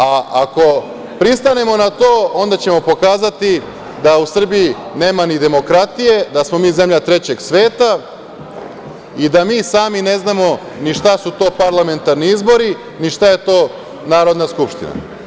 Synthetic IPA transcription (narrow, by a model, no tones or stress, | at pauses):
aako̞ | pɾist̪ane̞mo̞nat̪o̞ːo̞nd̪at͡ɕe̞mo̞po̞kaːzat̪i | d̪ausr̩biine̞ːmanid̪e̞mo̞kɾat̪ije̞d̪asmo̞miːze̞mʎat̪ɾe̞t͡ɕe̞ɡsʋe̞ːt̪a | id̪amiːsaːmine̞znamo̞ | niʃt̪asut̪o̞ːpaɾlˠame̞nt̪aɾniizbo̞ɾi | niʃt̪aje̞t̪o̞ː | naːɾo̞d̪naskupʃt̪ḭna̰